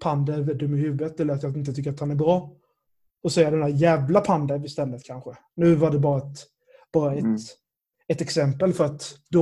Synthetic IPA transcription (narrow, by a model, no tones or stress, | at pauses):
pʰand̪əɾvɛd̪ɵmːɪhʉ̟vət̪ɛlːəɾat̪jɑɪnt̪ət̪ʰʏkːəɾat̪hanæɾbɾɑː | ɔsɛːad̪ɛnd̪æɾjæːvlapʰand̪əɾvɪst̪ɛlːət̪kʰanɧə | nʉ̟ːvaɖɛbɑːɾaɛt̪ | b̥ɑːɾaɛt̪ | ɛt̪ɛksɛmpəlfœɾat̪d̪ɔ